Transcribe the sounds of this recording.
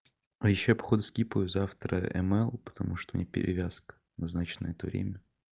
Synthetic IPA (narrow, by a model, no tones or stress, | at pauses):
ɐjɪɕːojpɐ̥xod̪ʊskʲipəjʊzaft̪ɾə̰ɛ̰mɛlˠpə̥t̪ɐmʔuʂt̪onʲepʲɪ̰ɾʲɪ̰vʲask̪ | nɐznat͡ɕɪnə̰ɛt̪əvɾʲḛmʲə